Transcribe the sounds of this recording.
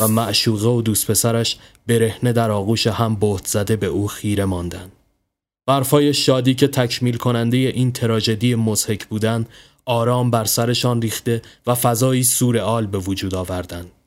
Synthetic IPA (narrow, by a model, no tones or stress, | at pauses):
væmæʔʃuːɣe̞od̪uːst̪pʰe̞sæɾæʃbe̞ɾe̞hne̞d̪æɾɒːɣuːʃehæmboht̪z̥æd̪e̞be̞ʔuːxiːɾe̞mɒːnd̪ænd̪̥ | b̥æɾfɒːje̞ʃɒːd̪iːcʰe̞t̪ʰæcʰmiːlkʰo̞nænd̪e̞je̞ʔiːnt̪ʰe̞ɾɒːd͡ʒe̞d̪ijemoz̥he̞cʰbuːd̪ænd̪ | ɒːɾɒːmbæɾsæɾe̞ʃɒːnriːxt̪e̞væfæzɒːiːsuːɾe̞ɒːlbe̞vod͡ʒuːd̪ɒːvæɾd̪ænd̪̥